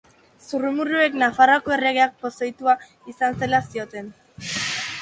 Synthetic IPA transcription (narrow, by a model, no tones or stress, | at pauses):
surumuɾue̞knafarakoe̞reɣ̞eak̚po̞sajt̪ua | isanselasio̞t̪e̞n